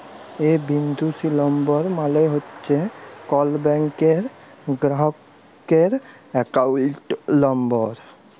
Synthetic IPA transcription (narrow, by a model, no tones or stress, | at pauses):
ebind̪ʱusilɔmbɔɾmaleɦotːt͡ʃʰekɔlbɛŋkeɾ | ɡɾaɦɔkː | eɾ | ekawuʈlɔmbɔɾ